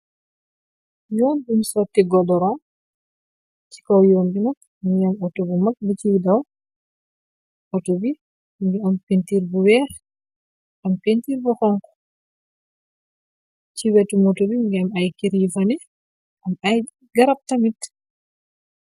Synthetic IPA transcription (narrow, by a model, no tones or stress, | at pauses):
jɔːnbumsɔtːiɡɔdɔɾɔ | t͡ʃi̥kɔwjoːmbina | ŋɡamɔtobumak̚but͡ʃiwidaw | ʔɔtobi | ŋɡɛampintiɾbuwɛ | ampintiɾbɔxɔŋkɔ̥ | t͡ʃiwɛtumɔtobiŋɡɛamajkiɾifanɛ | ʔamaj | ɡaɾap̚tamit